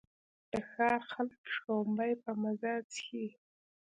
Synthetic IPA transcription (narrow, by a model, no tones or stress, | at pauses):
d̪̥əxɑxalkʂowmbajpəmazɑt͡sxi